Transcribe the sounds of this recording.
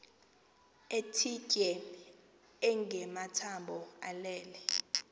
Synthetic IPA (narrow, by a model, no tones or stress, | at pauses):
etʰicʼɛ | ɛŋɡʱɛmatʰambʱɔa̰lɛːlɛ